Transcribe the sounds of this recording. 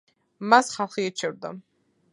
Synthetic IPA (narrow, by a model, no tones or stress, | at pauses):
masχalˠχiːt͡ʃʰɛvɾd̪a̰